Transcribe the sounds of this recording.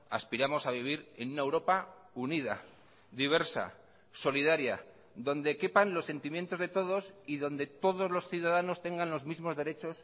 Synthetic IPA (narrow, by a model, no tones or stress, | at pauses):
a̰spiɾamo̞saβ̞iβ̞iɾe̞nunaewɾo̞paunið̞a̰ | ðiβ̞e̞ɾsa̰ | so̞lið̞aɾja | ðo̞nd̪e̞ke̞panlo̞sːe̞nt̪imje̞nt̪o̞zðe̞t̪o̞ð̞o̞siðo̞nd̪e̞t̪o̞ðo̞zlo̞sθjuðaðano̞st̪e̞ŋɡanlo̞zmizmo̞zðe̞ɾe̞t͡ʃo̞s